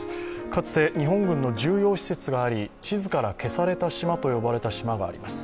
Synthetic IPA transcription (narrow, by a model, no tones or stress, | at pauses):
kat͡sɨ̥t̪e̞ɲ̟iɦõ̞ŋɡɯ̟̃nːo̞ʑɨːjo̞ːɕi̥se̞t͡sɨɡaːɾʲit͡ɕizɨkaɾake̞saɾe̞t̪aɕimat̪o̞jo̞baɾe̞t̪aɕimaɡa̰ːɾʲḭmasɨ̥